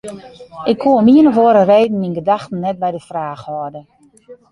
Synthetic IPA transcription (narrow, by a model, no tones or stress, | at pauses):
ʔɪkʰːuəmiənəʋoəɾəreːdn̩minɡədaxtən̩ːɛt̚bɛjdəfraːxhɔərdə